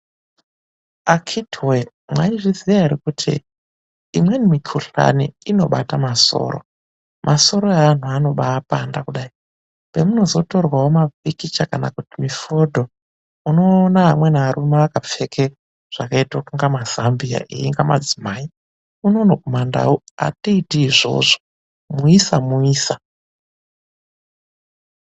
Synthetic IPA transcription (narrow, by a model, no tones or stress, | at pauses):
akʰitwe | mwaiʐiziaiɾikutʰḭː | mwe̞nimikʰuɬa̰niino̞ɓatamaso̞̰ːɾo̞̰ | mʔaso̞ɾo̞aːn̤uano̞ɓaːpandakuɗai | pe̞muno̞zo̞to̞rwawomavikit͡ʃakanakutimifodʱo̞ | uno̞ːnaɦamwe̞naʋaɾumeʋakap͡fekʰe | ʐ̥akaitaokuŋɡamaz̥ambia̰ʔḛiŋɡama̰d͡zimaːi | uno̞nokumanda̰woa̰tiitiːʐo̞̰ʐo | muisamuiːsa